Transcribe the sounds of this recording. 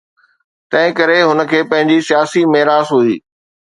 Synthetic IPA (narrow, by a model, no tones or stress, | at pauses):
t̪ɐ̃ɦɪ̃kɐɾeɦʊnə̆kʰeːpɐ̃ɦɪ̃ɲd͡ʑisijaːsimɐɦɾaːsɦuiː